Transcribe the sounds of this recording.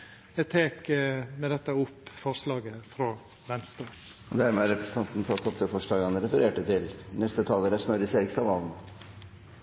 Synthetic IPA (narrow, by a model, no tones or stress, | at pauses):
jæt̪ʰeːkmɛd̪ɛt̪ːəʊpːfɔɾʂlɑːɡəfɾɔ | ʋɛnst̪ɾoː | ɔd̪æɾmɛæɾɛpɾəsə̥t̪ʰɑnt̪n̩t̪ʰɑt̪ʰːɔp̚t̪ɪfɔʂɭɑːɡɑnəɾɛfəɾeːʈət̪ɪlnɛst̪ət̪ʰɑːləɾæsnɔɾəseːɾɪkst̪ɑʋɑln